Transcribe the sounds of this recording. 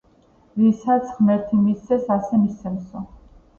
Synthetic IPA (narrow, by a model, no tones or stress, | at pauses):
visat̪sʰχmɛɾt̪ʰimist̪sʰɛsasɛmist̪sʰɛmsɔ